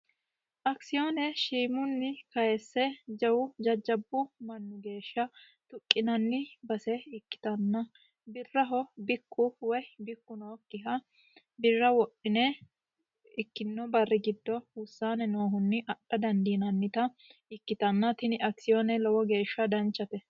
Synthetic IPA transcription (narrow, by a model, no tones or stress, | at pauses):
ʔɐksɪjoːnɛʃiːmʊnːɪkɐjɛsːɛd͡ʒɐwʊd͡ʒɐd͡ʒːɐbːʊmɐnːʊɡe̞ːʃːɐ | t̪ʊkʼːɪnɐnːɪbɐsɛɪkːɪ̥t̪ɐnːɐ | bɪrːɐɦɔbɪkːʊwɛbɪkːʊnɔkːɪɦɐ | bɪrːɐwɔɗɪnɛ | ɪkːɪnːɔbɐrːɪɡɪd̪ːɔʊsːaːnɛnoːɦʊnːɪʔɐɗɐd̪ɐnd̪inɐnːɪt̪ɐ | ɪkːɪt̪ɐnːɐt̪ɪnɪʔɐksɪjoːnɛlɔwɔɡe̞ːʃːɐd̪ɐnt͡ʃːɐt̪ɛ